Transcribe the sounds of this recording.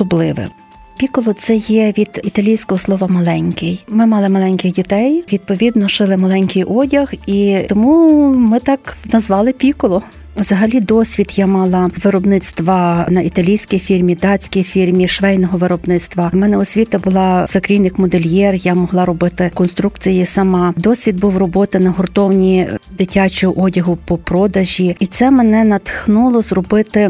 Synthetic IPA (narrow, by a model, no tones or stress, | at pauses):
ɔblˠɪʋɪ̰ | pʲikɔlˠɔt̪sɛjɛʋʲid̪̥it̪ɐlʲijsʲkɔɦɔslˠɔʋɐmɐlˠɛnʲkɪjmɪmɑlˠɪmɐlˠɛnʲkʲɪxdʲit̪ɛjʋʲid̪̚pɔʋʲid̪nɔʃɪlˠɪmɐlˠɛnʲkʲɪjʔɔdʲɐxiɔmumɪt̪ɑknɐzʋɑlˠɪpʲikɔlˠɔ | ʋzɐɦɐlʲid̪ɔsʲʋʲid̪jamɑlˠɑʋɪɾɔbnɪt̪st̪ʋɐnɐʔit̪ɐlʲijsʲkijfʲirmʲid̪ɑt͡sʲkʲijfʲirmʲiʃʋɛjnɔɦɔʋɪɾɔbnɪt̪st̪ʋɐmɛnɛʊsʲʋʲit̪ɐbʊlˠɑsɐkɾʲijnːɪkmɔd̪elʲjɛrjamɔɦlˠɑɾɔbɪt̪ɪkɔnst̪ɾukt͡sʲijisɐmɑd̪ɔsʲʋʲid̪̚buwrɔbɔt̪ɪnɐɦɔrt̪ɔwnʲid̪ɪtʲat͡ʃʊʔɔdʲɐɦʊpɔpɾɔd̪ɐʒʲiit̪sɛmenɛnɐt̪xnulˠɔzrɔbɪt̪ɪ